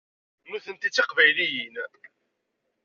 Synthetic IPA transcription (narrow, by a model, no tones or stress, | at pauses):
nuθənt̪it͡sːiqvæjlijin